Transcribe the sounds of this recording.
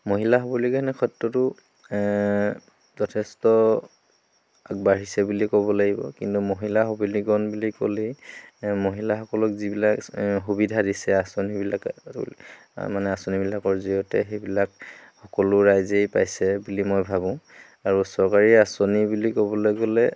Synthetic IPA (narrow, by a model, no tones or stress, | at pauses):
moɦilaɦɔbɔlikanɛkʰɔtːɔtʊ | zɔtʰɛstɔ | ak̚baɹisɛbulikɔβɔlaɡibɔ̰kintumoɦilaɦobuliɡɔnbuliko̰le | moɦilaxɔkɔlɔkzibilakɦubidʱadisɛasonibilak | manɛasonibilakɔɹziɔtɛ̰xejbilakxɔkɔlʊɹajzejpajsɛbulimojbʱaβʊ̃ | aɹusɔɹkaɹiasonibulikɔbɔlojɡolɛ